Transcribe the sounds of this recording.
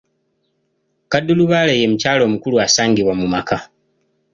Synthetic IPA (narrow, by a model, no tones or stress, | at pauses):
kadːuluβaːleje̞mucaːlo̞ːmukuluasaːŋɡiβwamumakʰa